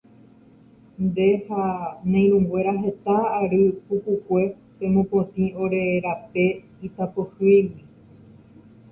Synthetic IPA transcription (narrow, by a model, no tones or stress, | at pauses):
nd̪e̞hanãj̃ɾ̃ũŋɡwe̞ɾaɦe̞t̪aːɾɨpukukʷe̞ | pẽ̞mõpõt̪ĩo̞ɾe̞ɾape̞ | it̪apohɨjwi